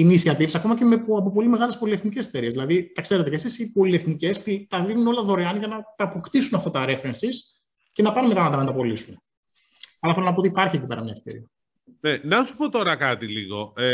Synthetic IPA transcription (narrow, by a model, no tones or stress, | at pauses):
inisiɐt̪ifsɐko̞mɐcemeɐp̬op̬o̞lime̞ɣɐlespo̞lie̞θniceset̪eɾiezðilɐðit̪ɐkse̞ɾe̞t̪ecesisipo̞lieθnice̞sput̪ɐðinuno̞lɐðo̞ɾeɐnʝɐnɐt̪ɐːpo̞kt̪isunɐft̪ɐt̪ɐɾe̞fɾensis | ce̞nɐpɐnumet̪ɐɐnɐnɐt̪ɐpo̞lisun | ɐlɐθelo̞nɐpot̪ipɐɾçiecipe̞ɾɐ̰mɲɐeft̪eɾḭɐ | nenɐsu̥po̞t̪o̞ɾɐkɐt̪ilḭɣo̞̰e